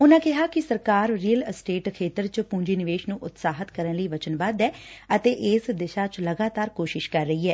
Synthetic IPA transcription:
ʊnãːkɪɦaːkɪsəɾkaːɾɾiːəlsʈeːʈkʰeːt̪əɾt͡ʃəpũːɲd͡ʒiːnɪʋeːʃnũːʔʊt̪saːɦət̪kəɾənləiːʋət͡ʃənbaːd̪ɛːət̪eːʔɪsd̪ɪʃaːt͡ʃləɡaːt̪aːɾkoːʃɪʃkəɾːəiːɦɛː

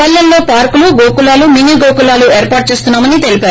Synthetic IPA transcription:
ʋɐlːɐlːo̞ːpaːɾkuluɡoːkulaːluminiɡoːkulaːlueːɾpaːʈ̚t͡ʃeːst̪unːaːmɐnit̪e̞lipæːɾ

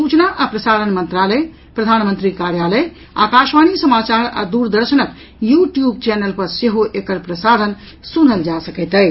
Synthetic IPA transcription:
sut͡ʃnaʔapɾəsaɾənmənt̪ɾaləj | pɾəd̪ʱanmənt̪ɾikaɾjaləj | a̰kaʃʋanisəmat͡ʃaɾa̰d̪uɾd̪əɾsənək | juʈjub̚t͡ʃɛnəlpəɾseɦoʔekəɾpɾəsaɾən | sunəld͡ʒasəkət̪əj

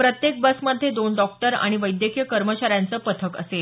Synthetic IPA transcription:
pɾət̪jek̚bəsməd̪ʱːjed̪oɳɖɔk̚ʈəɾa̰ɽ̃iʋəjd̪jəkʰijəkəɾmət͡ɕaɾjant͡səːpət̪ʰəkə̰se

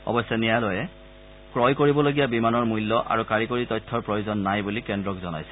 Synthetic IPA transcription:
ɔ̰bɔsːɛnijalɔjɛ | kɹɔjkoɹibɔloɡijabimanɔɹmujlːɔʔa̰ɹukaɹikoɹitɔjtʰːɔɹpɹojuzɔnːajbulikɛndɹɔkzɔna̰jsɛ̥

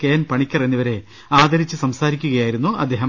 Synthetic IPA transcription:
keːnpɐɳikʲːɐrenːiʋɐɾe̞ | aːd̪ɐɾit͡ɕːɨsɐmsaːɾikʲːuɣɐjaːjiɾunːuʔɐ̰d̪ʱːeːɦɐ

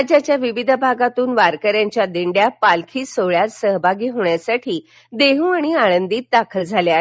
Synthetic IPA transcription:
d͡ʑjat͡ɕjaʋiʋid̪ʱbʱaɡat̪uːnʋaɾkəɾjãɲt͡ɕjad̪iɳɖjapalkʰiːsoɭjaɾsəɦbʱaɡiːɦoɳjasaʈʰiː | d̪eɦũaɽ̃iaɽ̃ənd̪iːt̪̚d̪akʰəld͡zʱalja

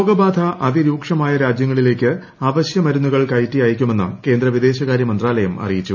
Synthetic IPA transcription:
oːɡɐbaːd̪ʱɐʔɐðiɾuːkʂɐmaːjɐɾaːd͡ʑjɐŋːɐɭile̞ːkʲːɨ | aːʋɐɕjɐmɐɾunːuɣɐɭkɐjtːijaːjikʲːume̞nːɨ̰ke̞ːnd̪rɐʋid̪e̞ːɕɐɣaːɾjɐmɐnd̪raːlɐjɐmɐ̰rijit͡ɕːu

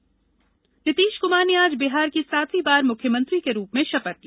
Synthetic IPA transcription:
nɪt̪iːʃkʊmaːɾneaːd͡ʒbɪɦaːɾkisaːt̪ʰɦibaːɾmʊkʰjəmə̃nt̪ɾikeɾuːpmẽʃɐpət̪̚ki

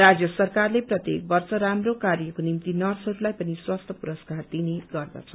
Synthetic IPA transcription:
ɾad͡zjʌsʌrkarleprʌt̪jḛkbʌrsʌɾamrokaɾjʌkonimt̪inʌrsɦʌɾulajpʌniswast̪ʰʌpuɾʌskard̪ineɡʌrd̪a̰t͡sʰʌ

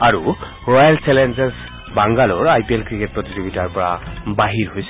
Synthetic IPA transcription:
aɹu | ɹoajlsʰɛlɛnzɛs | baŋɡalɔɹajpiɛlkɹiket̚pɹɔtitibʱitaɹpɔɹa̰baɦiɹɦojsɛ̥

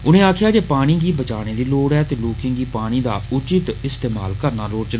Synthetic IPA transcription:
ʊnẽːaːkʰɪjaːd͡ʒeːpaːɽ̃ĩːɡiːbət͡ʃaːɽ̃eːd̪iːloːɽɛːt̪eːloːkẽŋɡiːpaːɽ̃iːd̪a̰ːʊt͡ʃɪt̪ɪst̪eːma̰ːlkəɾnaːloːɽt͡ʃə

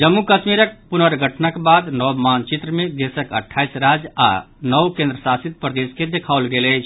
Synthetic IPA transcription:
d͡ʒəmːukət͡ʃʰmiɾək̚punəɾɡʱəʈʰnakebad̪nɔwmant͡ʃit̪ɾəmed̪esəkə̰ʈʰːajsɾad͡ʒa̰nɔwkẽnd̪ɾəsasit̪̚pɾəd̪esked̪ekʰaʊlɡeləjt͡ʃʰ

